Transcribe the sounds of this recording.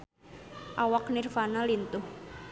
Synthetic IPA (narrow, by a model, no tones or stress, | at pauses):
ʔawaknirfanalint̪ʊh